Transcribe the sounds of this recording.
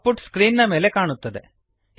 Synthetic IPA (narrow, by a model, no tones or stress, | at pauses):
puʈskɾiːnnɐme̞ːlekaːɳut̪ːɐd̪e̞̰